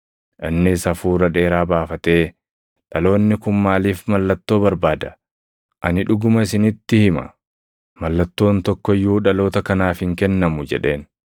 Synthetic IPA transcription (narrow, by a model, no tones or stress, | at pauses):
ʔɪnːɪsɐfuːɾɐᶑe̞ːɾaːbaːfɐt̪e̞ː | ᶑɐlo̞ːnːɪkʊmːaːliːfmɐlːɐt̪ːo̞ːbɐɾbaːd̪ɐ̥ | ʔɐnɪᶑʊɡʊmɐɪs̬ɪnɪt̪ːɪhɪmɐ̰ | mɐlːɐt̪ːo̞ːnt̪ɔkːɔɪjːuːᶑɐlo̞ːt̪ɐkɐnaːfhɪŋkɛnːɐmʊd͡ʒɛ̰ᶑe̞ːn